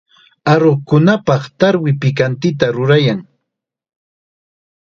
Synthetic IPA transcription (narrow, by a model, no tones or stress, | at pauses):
aɾokʊnapɑχt̪aɾwɪpɪkant̪ɪt̪aɾʊɾajaŋ